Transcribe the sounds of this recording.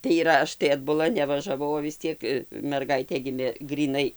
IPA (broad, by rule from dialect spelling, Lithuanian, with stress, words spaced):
tɐɪ iːˈrɐ ˈɐʃ tɐɪ ɐdbʊˈlˠɐ nʲɛʋɐʒɐˈʋɐʊ oː ʋʲɪs ˈt͡sʲiɛk mʲɛrˈɡɐɪtʲeː ˈɡʲɪmʲeː ɡrʲiːˈnɐɪ